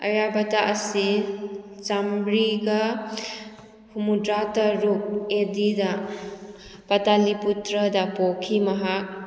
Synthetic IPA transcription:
ɐ̰jabataʔɐsi | t͡ʃambɾiɡa | humudɾataɾuk̚edida | pɐtaliputɾədapokʰimɐɦak̚

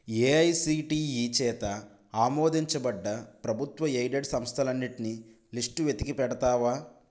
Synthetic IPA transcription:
eːɐjsiːʈiːiːt͡ʃɛːt̪ɐ | aːmoːd̪iɲt͡ʃɐbɐɖːɐpɾɐbʱut̪ʋɐejɖeɖsɐmst̪ʰɐlɐnːiʈini | lisʈuʋe̞t̪ikipɛɽɐt̪aːʋaː

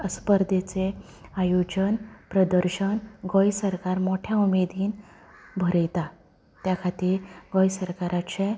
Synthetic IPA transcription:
əspəɾd̪ʱet͡se | ajod͡ʑənpɾəd̪əɾɕənɡojsəɾkaɾmoʈʰjaumed̪iːn | bʱəɾəjt̪a | t̪jakʰat̪iːɾɡojsəɾkaɾat͡ɕẽ

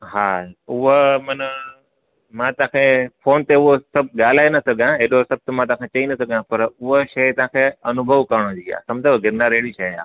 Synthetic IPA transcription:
ɦaːʊɦomɐnə | mãt̪ɐãkʰefʰoːnt̪eʊɦosɐb̚ʱɠaːl̤aːenɐsɐɡʱãeːɗosɐb̚t̪mãt̪ɐ̃ãkʰet͡ɕɐinɐsɐɡʱãpɐɾʊɦoʃɐt̪ɐʋãːkʰeɐnʊbʱəʋkɐɾɽ̃od͡ʑiːa̰ːsɐ̃md͡ʑʱaɡɪɾnaɾeːɽiʃɐa̰ː

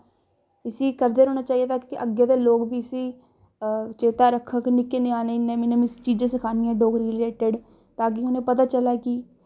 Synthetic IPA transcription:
ɪsiːkəɾd̪eːɾɦoːñaːt͡ʃaːieːt̪aːkkɪʔəɡjaːd̪eːloːɡbiːɪsiː | t͡ʃeːt̪aːɾəkʰːəknɪkeːnẽaːnenẽːmɪnẽːmisi̥t͡ʃiːd͡ʒẽːsəkʰaːnɪjãːɖoːɡɾɪleːʈəɖ | t̪ãːk̬iʊnẽːpət̪aːt͡ʃəlaːkiː

